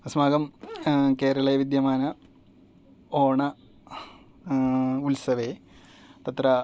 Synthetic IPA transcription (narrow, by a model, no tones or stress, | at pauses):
ɐsmaːɡɐmkeːɾɐɭɐʋid̪jɐmaːnɐ | oːɳɐ | ulsɐʋe | t̪ɐt̪ɾɐ